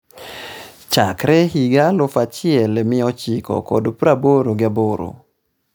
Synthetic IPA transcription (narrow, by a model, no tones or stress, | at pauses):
t͡ʃakɾɛɦiɡalʊfat͡ʃɪɛlmɪɔt͡ʃikɔ̰kɔdpɾaboɾoɡɪaboɾo̰